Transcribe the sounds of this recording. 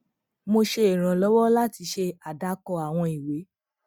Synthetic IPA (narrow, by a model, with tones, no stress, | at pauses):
mo˧ʃe˧i˨ɾ̃ã˨lɔ˨˦wɔ˦la˦ti˧ʃe˧a˨da˧kɔ˧a˨w̃ɔ̃˧i˨we˨˦